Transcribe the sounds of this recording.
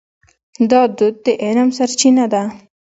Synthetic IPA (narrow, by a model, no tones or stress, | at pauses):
d̪ɑd̪ud̪̚ːeʔenamsaɾt͡ʃinad̪a